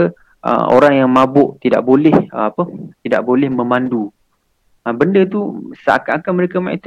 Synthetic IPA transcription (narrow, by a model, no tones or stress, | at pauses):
ə | ʔə̰o̰ɾaŋjaŋmãbʊʔt̪ida̰ʔbolɛhəapət̪ida̰ʔbolɛhmə̃mandu | əbəndət̪usa̰a̰kaʔakaməɾekamãḭ̃t̪